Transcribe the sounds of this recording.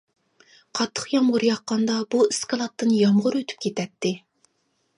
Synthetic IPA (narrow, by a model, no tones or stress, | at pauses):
qʰɑt̪ʰːə̥χjɑmʁʊɾjɑqːɑnd̪ɑbuɪskɑlˠɑt̪ʰːɨnjɑmʁʊɾøt̪ʰy̥p̚kʲʰet̪ʰɛt̪ʰːɪ